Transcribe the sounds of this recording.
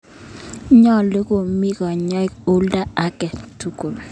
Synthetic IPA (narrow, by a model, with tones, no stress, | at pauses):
ɲɔ˦˨lɪ˦ko˨mi˦kɔ˨ɲɔ˦ko˦lda˦a˦kɛ˨tu˦ko˨